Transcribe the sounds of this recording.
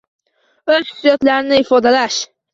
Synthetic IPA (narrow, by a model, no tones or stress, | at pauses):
ɵz̥sjɒt̪laɾɪnɪifɒd̪alaʃ